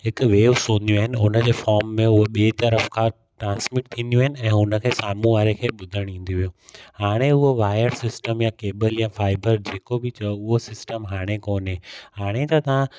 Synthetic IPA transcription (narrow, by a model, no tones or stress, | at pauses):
ɦɪkʊ̆ʋeːʋsõːnd̪ijũaːɦɪnɪʊnə̆d͡ʑeːfɔːɾmːẽʊɦoɓeːt̪ɐɾəfkʰã | ʈɾãːnsmɪʈ̚t̪ʰĩːnd̪jũaːɦɪnɪ̆ɛ̃ːɦʊnə̆kʰeːsaːmũʋaːɾekʰeːɓʊd̪ʱəɽ̃ĩːn̆d̪iʋijõːhaːɽ̃eʊɦoʋaːjəɾsɪsʈəmjaːkeːbəljaːfaːɪbəɾd͡ʑeːkobɪt͡ɕɐoʊɦosɪsʈəmɦaːɽ̃ekoːnɦehaːɽ̃et̪ɐt̪ɐʋã